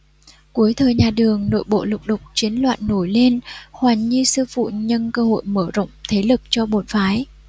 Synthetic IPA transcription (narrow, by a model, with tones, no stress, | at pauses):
ku˨˦əjt̪ʰəː˨˩jɲaː˨˩ɗɨ˨˩əŋno̰˧˨jɓo̰˧˨lʊ˨˩wk͡p̚ɗə˨˩wk͡p̚t͡ɕi˨˦ənlwa̰ː˧˨nːo˧˩jle˧nhwaː˨˩ŋɲi˧sɨ˧fṵ˧˨ɲə˧nkəː˧ho̰˧˨jməː˧˩zə̰˧˨wŋ͡mt̪ʰe˨˦lɨ˨˩p̚t͡ɕɔ˧ɓo˨˩˨nfaː˨˦j